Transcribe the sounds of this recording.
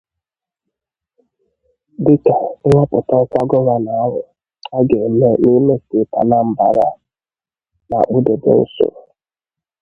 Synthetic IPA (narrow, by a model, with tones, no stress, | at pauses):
dɪ˦ka˨ŋ̩ʷ˦a˦pʊ˨ta˦kʷa˦ɡɔ˦ɾa˦na˨a˦ɦʊ̰˨ | a˦ɡe˨me˦ni˦me˦si˨˦ta̰˨na˦m̩˨ba˨ɾa̰˦ | na̰˨k͡pu˦de˨dḛ˨n̩˦sʊ̰˨